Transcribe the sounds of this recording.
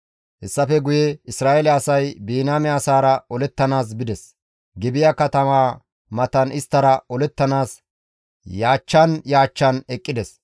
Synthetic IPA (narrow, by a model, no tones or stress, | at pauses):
hɛsːɐfɛɡʊjɛɪsɾaːʔɛlɛɐsɐjbiːnaːmɛɐsaːɾɐɔlɛt̪ːɐnaːs̬bɪd̪ɛs | ɡɪbɪjakɐt̪ɐmaː | mɐt̪ɐnɪst̪ːɐɾɐɔlɛt̪ːɐnaːs | jaːt͡ʃːɐnjaːt͡ʃːɐnɛkʼːɪd̪ɛs